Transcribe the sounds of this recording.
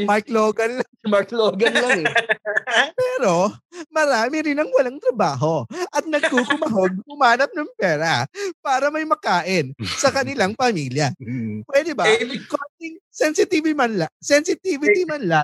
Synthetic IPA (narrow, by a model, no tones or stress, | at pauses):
maɾkloːɡɐnlɐŋmɐɹkloːɡɐnlaŋɛ | pɛːɾo̞mɐɾaːmɪɾɪnɐŋwɐlaŋt̪ɾɐbaːɦo̞ʔɐt̪̚nɐɡ̚kukʊmɐɦoɡ̚hʊmaːnɐp̚nʊŋpɛːɾɐpaːɾɐmɐjmɐkaːʔɪnsɐkɐnɪlaŋpɐmiːljɐpwɛːd̪ɪbakot̪ɪŋsɛnsɪt̪ivɪmɐnlɐsɛnsɪt̪iːvɪt̪imɐnla